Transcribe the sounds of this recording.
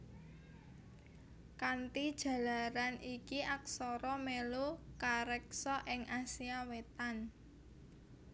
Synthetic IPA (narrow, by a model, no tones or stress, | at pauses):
kant̪id̥ʒ̥ä̤laɾanikiʔaksɔɾɔmelokaɾɛksɔʔɪŋʔasiawet̪an